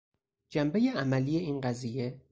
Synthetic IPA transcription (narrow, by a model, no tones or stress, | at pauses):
d͡ʒæmbe̞jeæmælije̞iːnɢæziːje̞